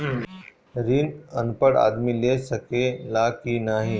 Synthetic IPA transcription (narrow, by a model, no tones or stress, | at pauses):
ɾiːnənpəɽa̰d̪milesəkelakinaːɦi